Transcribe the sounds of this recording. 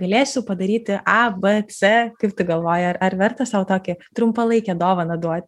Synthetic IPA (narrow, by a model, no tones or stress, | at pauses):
ɡɐlʲeːsʲʊpɐd̪ɐɾʲiːt̪ʲɪʔɐbɛt͡sʲɛkɐɪp̚t̪ʊɡɐlˠʋoːjɪɐɾɐɾʋʲɛrt̪ɐsɐʋʊt̪oːkʲɪt̪ɾʊmpɐlˠɐɪkʲɛd̪oːʋɐnɐd̪uɔt̪ʲ